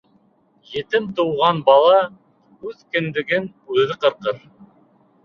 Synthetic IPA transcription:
jĕt̪ɘmt̪uwʁɑnbɑlˠɑ | ʉðkɵ̆nd̪ɘ̆ɡɘnʉðɘqɤ̆ɾqɤɾ

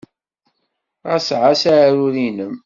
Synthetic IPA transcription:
ʁæsʕasaɾuðinəm

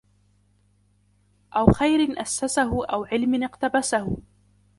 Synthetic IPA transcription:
ʔawxajɾɪnʔasːasaɦʊʔawʕɪlmɪnɪqt̪abasahʊ

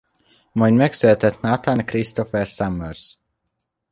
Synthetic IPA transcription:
mɒjd̪mɛksylɛt̪ɛt̪nat̪ankrist̪ofɛrsamːørz̥

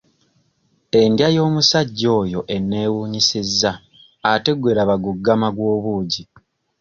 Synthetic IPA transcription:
e̞ndjajo̞ːmusaɟːo̞ːjo̞ʔe̞nːe̞ːwuːɲisizːa | ate̞ɡweːɾaβaɡuɡːamaɡwo̞ːβuːɟi

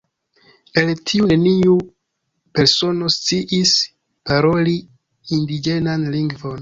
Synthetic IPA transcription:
e̞ltʰiune̞niu | pe̞ɾso̞no̞st͡siʔis | paɾo̞li | indid͡ʒe̞nanliŋɡvo̞n

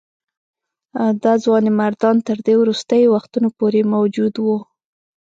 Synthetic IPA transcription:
d̪ɑzwɑnemaɾd̪ɑnt̪əɾd̪ewɾust̪əjwaxt̪unopoɾemawd͡ʒud̪wu

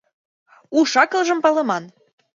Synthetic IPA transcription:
uʃɑkɤ̆lʒɤ̆mpɑlɤ̆mɑn

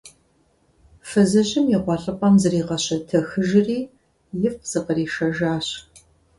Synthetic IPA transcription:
fɐzɐʑɪmjiqʷɔɬʼɨpʼɐmzɨriːqɐɕɐtʰɐxɨʒɪriː | jɪfz̥ɨqəriːʃɐʒaːɕ

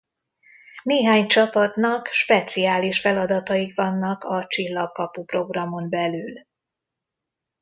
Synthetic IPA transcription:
neːɦaːɲt͡ʃɒpɒt̪nɒkʃpɛt̪siaːliʃfɛlɒd̪ɒt̪ɒjikvɒnːɒkɒt͡ʃilːɒkːɒpupro̞ɡrɒmo̞nbɛlyl

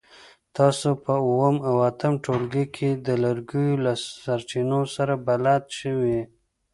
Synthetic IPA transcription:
t̪ɑsopəuwəmawat̪əmʈolɡikʰed̪əlaɾɡujolasaɾt͡ʃinosaɾabalat̪ʃəwi

